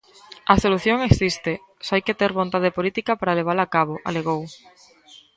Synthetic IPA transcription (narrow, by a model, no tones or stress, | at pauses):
ɐsoluθjoŋeksist̪e | soajket̪eɾβont̪aðepolit̪ikapaɾaleβ̞alaːkaβoʔa̰leɣow